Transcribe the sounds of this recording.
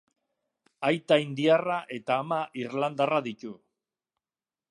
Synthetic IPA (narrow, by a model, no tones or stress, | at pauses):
ajt̪aind̪iaraʔe̞t̪aːmaʔirland̪araðit̪u